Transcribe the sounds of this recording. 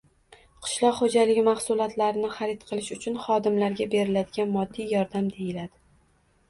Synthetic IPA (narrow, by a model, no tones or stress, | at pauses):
qʰɨ̥ʃlˠɒqχod͡ʒalɪɡʲɪmaχsʊlˠɒt̪laɾɪnɪχaɾɪt̪qʰɨlˠɪʃʊt͡ʃʰʊnχɒd̪ɪmlaɾɡʲabe̞ɾɪlad̪ɪɡʲanmɒd̪ːijɒɾd̪amd̪e̞jɪlad̪̥ɪ